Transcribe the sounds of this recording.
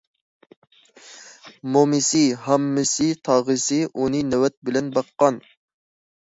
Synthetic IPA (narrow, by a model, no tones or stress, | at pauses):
momɪsɪhɑmːɪsɪt̪ʰɑːʁɨsɪʔunɨnɛwɛt̪̚bɪlɛnbɑqːɑn